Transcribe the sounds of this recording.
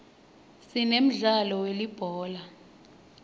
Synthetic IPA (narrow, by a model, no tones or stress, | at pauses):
sinem̩ɮalɔwelib̥ʱɔːla